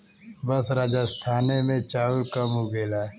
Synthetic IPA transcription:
bəsɾaːd͡ʒast̪ʰaːnemẽt͡ʃaːlkɐmuɡeːlaː

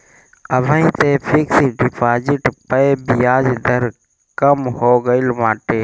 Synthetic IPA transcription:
əbʱə̃ĩt̪epʰiksiɖipʰaːd͡ʒɪʈpəebijaːd͡ʒd̪ʱəɾ | kəmhoɡəɪlmaːʈe

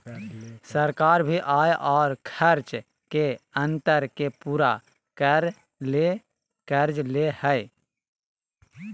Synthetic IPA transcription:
səɾkaːɾbʱiʔaːeʔɔːɾkʰəɾt͡ʃ | keə̃nt̪əɾkepuːɾa | kəɾ | le | kəɾd͡ʒlehəɪ

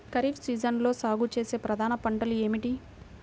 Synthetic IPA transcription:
kɐɾiːfsiːd͡ʒɐnlo̞ːsaːɡut͡ʃe̞ːse̞ːpɾɐd̪ʱaːnɐpɐɳʈɐlue̞ːmiʈi

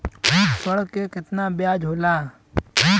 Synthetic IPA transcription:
ɦuːtsəɽəkːekɪt̪nabjaːd͡ʒɦoːlaː | uː

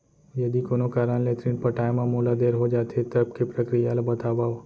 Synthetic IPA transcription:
jəd̪ikonokaɾəɳlet̪ɾĩɳ̚pəʈajmãmolad̪eɾɦod͡ʒat̪ʰet̪əb̚kepɾəkɾijalbət̪aʋaʋo

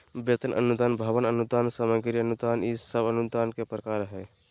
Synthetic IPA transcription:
bet̪ənʔə̰nud̪aːnbʱaʋənənud̪aːnsəməɡɾiənud̪aːnisəbənud̪aːnkepɾəkaːɾɦɛ

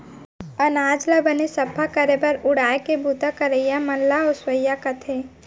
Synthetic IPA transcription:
ənaːd͡ʒləbənesɐpʰakəɾebɐɾʊɽaːekebʱut̪akəɾəjamɐnlaɔswəjakɐt̪ʰe

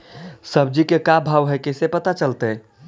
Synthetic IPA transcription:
səb̚d͡ʒikekabʱaːʋɦɛkɛsepət̪at͡ʃəlt̪eɦɛ

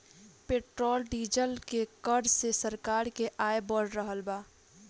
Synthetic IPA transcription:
peːʈɾoːlɖiːd͡ʒəlkekəɾsesəɾkaːɾkeʔaːebɔɽɾəɦəlbaː

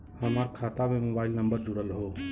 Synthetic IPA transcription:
həmaɾkʰat̪amemobaːɪlnəmbəɾd͡ʒuɽəlɦoː

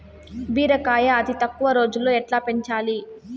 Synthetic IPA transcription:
biːɾɐkaːjɐːt̪it̪ɐkːuʋɐɾo̞ːd͡ʒulːo̞ːɛʈlaːpe̞ɲt͡ʃaːli

